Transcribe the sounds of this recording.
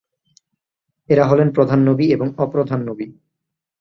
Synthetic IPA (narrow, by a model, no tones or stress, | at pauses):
eɾaɦɔlenpɾod̪ʱanːobieboŋɔpɾod̪ʱanːobi